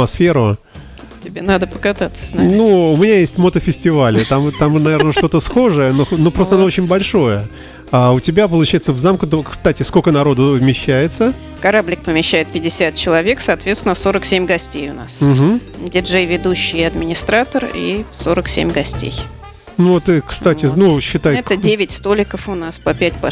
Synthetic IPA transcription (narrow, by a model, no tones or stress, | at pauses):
mɐsfʲeɾʊ | tʲɪbʲenad̪əpəkɐt̪at̪sə̥snanuʊmʲɪnʲajesʲtʲmot̪əfʲɪsʲtʲɪvalʲɪt̪amt̪amnɐvʲe̞ɾnəʂt̪o̞t̪əsxo̞ʐəjənoxnopɾost̪əɐnoot͡ɕɪnʲbɐlʲʂo̞jə | aʊtʲɪbʲap̬əlˠʊt͡ɕæjɪt̪səvzamk̪t̪kst̪atʲɪskokənɐɾo̞d̪ʊvmʲɪɕːæjɪt̪sə | kɐɾablʲɪk̚pəmʲɪɕːæjɪt̪̚pʲɪdʲɪsʲat̪̚t͡ɕɪlˠɐvʲe̞ksɐːt̪vʲet̪sɪnəso̞ɾəksʲemʲɡɐsʲtʲejʊna̰sm̩ɦm̩ | dʲɪʐɛjvʲɪd̪uɕːɪjɐd̪mʲɪnʲɪst̪ɾat̪ərḭsoɾəksʲḛmʲɡɐsʲtʲḛj | nut̪ɨkst̪atʲɪnuɕːɪt̪ajɛt̪ədʲevʲɪtʲst̪olʲɪkəfʊnaspəpʲæt̚ʲpɐ